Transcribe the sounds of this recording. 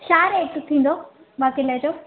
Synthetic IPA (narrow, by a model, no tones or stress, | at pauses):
ʃaːɾeːkt̪ʰĩːn̆d̪o | baːkiləd͡ʑoː